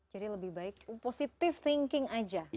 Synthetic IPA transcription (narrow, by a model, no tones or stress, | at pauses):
d͡ʒadiləbɪhbaɪk̚posit̪ɪft̪ɪŋkɪŋad͡ʒa